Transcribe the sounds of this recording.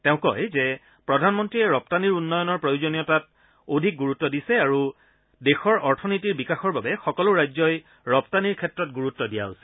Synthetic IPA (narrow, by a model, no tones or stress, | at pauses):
tɛʊ̃kɔ̰jzɛ | pɹɔdʱanmɔntɹiɛɹɔp̚taniɹunːɔjɔnɔɹpɹojuzonijɔtat | odʱik̚ɡuɹutːɔdisɛaɹu | dexɔɹɔɹtʰɔnitiɹbikaxɔɹbabɛxɔkɔlʊɹajzɔj | ɹɔptaniɹkʰɛtɹɔt̚ɡuɹutːɔdija̰ɦosi̥